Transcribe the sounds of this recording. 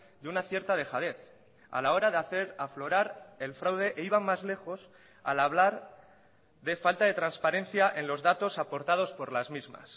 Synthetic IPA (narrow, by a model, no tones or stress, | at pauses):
d̪eunaθje̞ɾt̪að̞e̞xað̞e̞θ | a̰lao̞ɾaðeaθe̞ɾaflo̞ɾaɾe̞lfɾawðe̞ʔeiβ̞amːazle̞xo̞s | a̰laβlaɾ | ðe̞falt̪aðe̞t̪ɾanspaɾẽ̞n̟θjaʔe̞nlo̞zðat̪o̞sapo̞ɾt̪að̞o̞spo̞ɾlazmizma̰s